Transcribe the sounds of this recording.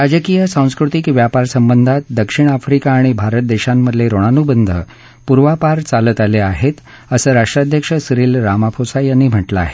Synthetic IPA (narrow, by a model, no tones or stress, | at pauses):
ɾad͡ʑəkijəsãw̃skɾut̪ikʋjapaɾsəmbənd̪ʱat̪̚d̪əkʂiɳ̃afɾikaːɽ̃ibʱaɾət̪̚d̪eɕamːəd̪ʱljeɾoɽ̃anubənd̪ʱə̰ | puɾʋapaɾt͡salət̪aleaɦet̪ | əsəːɾaʂʈɾad̪ʱjəkʂəsɾiːlɾamapʰosajanːim̤əʈlaa̰ɦe̥